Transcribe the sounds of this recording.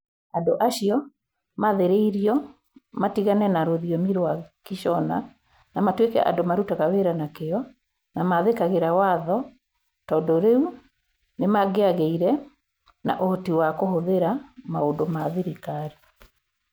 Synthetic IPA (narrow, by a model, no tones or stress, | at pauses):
adoʔaɕiɔ | maðeɾeiɾiɔ | matiɣanɛnaɾoðiɔmiɾoakiʃɔna | namatwekɛ̰ʔa̰ndomaɾutaɣaweɾanakeɔ | namaðekaɣeɾawaðɔ | tɔːndɔɾeu | nemaɣeaɣeiɾɛ | na̰ʔotiwakohoðeɾamaondomaðeɾikaɾi